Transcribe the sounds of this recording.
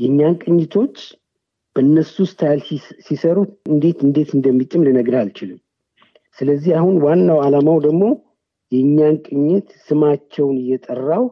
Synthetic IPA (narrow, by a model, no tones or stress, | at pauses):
jɛɨɲːankʼɨɲːɪt̪ʰo̞t͡ʃː | b̥əɨnːəsust̪ʰlsisəɾuɨnd̪e̞t̪ɨnd̪e̞t̪ɨnd̪əmːit̪ʼɨmlɨnəɡɾalt͡ʃɪlɨm | sɨləzːihahunwanːawalamawd̪əɡmo̞ | jɛɨɲːankʼɨɲːɪt̪sɨmat͡ʃːɛwnɨjːɛt̪ʼərːaw